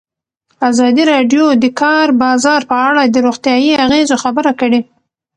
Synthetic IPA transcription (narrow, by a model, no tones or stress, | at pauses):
azɑd̪iɾɑɖjod̪əkʰɑɾbɑzɑɾpəaɽad̪əɾoɣt̪jɑjiaɣezoxabəɾakəɽe